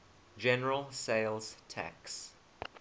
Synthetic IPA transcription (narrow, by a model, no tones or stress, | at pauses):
d͡ʒɛnəɹəlˠseɪlˠz̥tʰæ̰ks